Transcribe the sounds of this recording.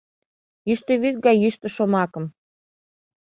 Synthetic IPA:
jyʃt̪ə̆βit̪̚ɡɑjːyʃt̪ə̆ʃomɑkɤ̆m

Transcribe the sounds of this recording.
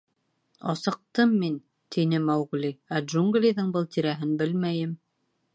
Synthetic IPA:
ɑ̰sɤ̆q̚t̪ɤmːin | t̪ʰinɘmæwʁlʲiædʒuŋɡlʲiðɤɴbɤlˠt̪iɾæɦɘnbɘlmæjɘm

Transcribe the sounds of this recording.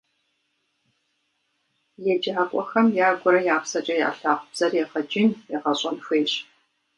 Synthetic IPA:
jɛd͡ʒaːkʷʼɔxɐmjaːɡʷɔɾɐjaːpsɐt͡ʃʼɐja̰ːɬaːqʷʊb̥z̥ɐrjɛʁɐd͡ʒɪnjɛʁɐɕʼɐnfʷeːɕ

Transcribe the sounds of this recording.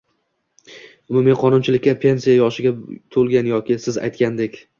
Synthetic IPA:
ʊmʊmɪqʰɒnʊnt͡ʃʰɪlɪkʲːapʰe̞nsijajɒʃɪɡʲat̪ʰolˠɡʲanjɒkʲɪsɪza̰jt̪kʲand̪ekʲ

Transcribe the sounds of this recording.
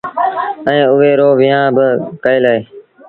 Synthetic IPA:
ɛ̃ːʊʋeːɾoːʋɪjãːbəkəeːlaːeː

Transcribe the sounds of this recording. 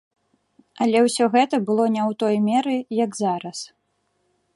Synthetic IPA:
ɐlʲɛwsʲɔɣɛt̪ɐbɨlˠɔnʲɛwt̪ɔjmʲɛɾɨjɐɡzaɾɐs

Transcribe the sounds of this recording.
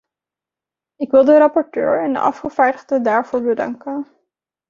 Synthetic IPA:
ɪkʋɪlˠdəɾɑpɔɹtø̰ːɹɛndə̰ʔɑ̰fχəv̥aːɹdəχdədaːɹv̥oːɹbədɑ̰ŋkən

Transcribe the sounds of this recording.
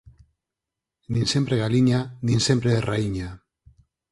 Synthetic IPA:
nĩnsempɾeɣaliɲanĩnsempɾeðeraiɲa

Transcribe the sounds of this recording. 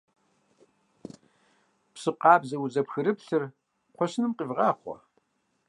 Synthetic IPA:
psɨqɑːbzɐwzɐpxɨɾɨpɬɨr | qʷʰɔɕnɨmqivʁɑːχʷɔ̰

